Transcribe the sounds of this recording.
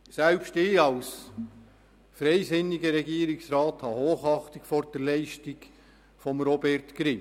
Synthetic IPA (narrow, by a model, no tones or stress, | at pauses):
sɛlpʃtɪɑws | fɾɛɪzɪniɡəɾɛɡiːəɾɪksɾɑːthɑhoːχɑχtɪkfɔɾd̥ɛɾlɛɪʃtɪɡ | fɔmɾɔbɛrtkɾɪ